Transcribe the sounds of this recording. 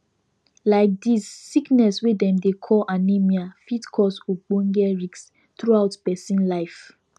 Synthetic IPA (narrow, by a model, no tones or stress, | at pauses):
laɪk̚disːiknɛswedɛ̃mdekʰɔlʔanemiafitkʰɔsuɡ͡bõŋɡɛɹiks | tɹuaʊtpɛsĩnlaɪf